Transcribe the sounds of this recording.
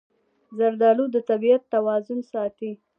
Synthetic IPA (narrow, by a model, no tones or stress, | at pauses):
zaɾd̪ɑlud̪ət̪abijat̪ːawɑzʊnsɑt̪i